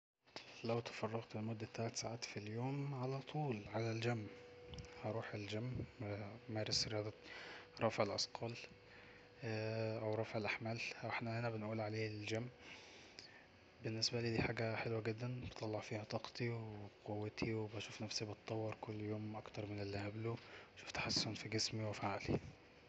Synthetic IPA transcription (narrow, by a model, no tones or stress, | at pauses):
læwt̪ɑ̥fɑrˤːɑɣt̪elmod̪ːæt̪ːalat̪saʕaːt̪filjoːmʕalæt̪ˤʰuːlʕalæld͡ʒæmːhɑɾˤuːħeld͡ʒæmː | mæːɾesɾejɑːd̪ˤɑɾˤɑːfʕelʔɑ̰sqʰɑːl | ʔæwɾˤɑːfʕelʔaħmæːlʔæweħnæhenæbenʔuːlʕaleːld͡ʒæmː | benːesbæliːd̪iːħaːɡæħelwæɡed̪ːænbet̪ˤɑlːɑʕfiːhæt̪ˤɑqt̪ˤiwqowːæt̪ʰiwebæʃuːfnæfsibɑt̪ˤːɑwːɑɾˤkolːjoːmʔɑkt̪ɑɾˤmenelːihæbluʃu̥ːft̪ḁħasːʊnfiɡesmiwefʕali